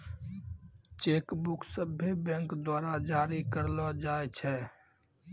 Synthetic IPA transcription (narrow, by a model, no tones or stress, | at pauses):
t͡ʃeːkbʊksəbʱebɛ̃ːŋkd̪waːɾad͡ʒaːɾikəɾlad͡ʒaːet͡ʃʰɛː